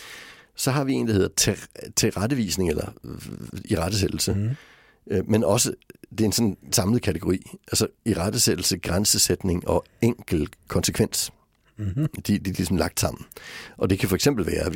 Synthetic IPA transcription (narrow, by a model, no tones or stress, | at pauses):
sɒ̽ɦɑ̈ʋie̝̰ːn̩d̥æhe̝ð̰ˠɐt͡sʰet͡sʰe̝ʁad̥əʋḭːsne̝ŋelɐ | iʁad̥əs̬ed̥l̩sə | menɒ̽səd̥e̝ɐe̝nsɔ̽nsɑ̈mlð̩ˠkʰædʰeɡ̥o̝ʁḭːʔælsɐiʁad̥əsed̥l̩səɡ̥ʁansəsed̥ne̝ŋʔɒ̽ | eŋ̰ɡ̥l̩kʰɒ̽nsəkʰʋen̰s | d̥id̥ilisɒ̽m̩lɑ̈ɡ̥̚d̥sɑ̈m̰n̩ʔɒ̽d̥e̝kʰæfɒ̽eɡ̥sem̰b̥l̩ʋæːɐ